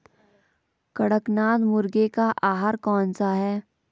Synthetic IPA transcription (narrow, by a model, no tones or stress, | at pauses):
kɐɽəknaːd̪mʊɾɡekaʔaːɦaɾkɔːnsaɦɛː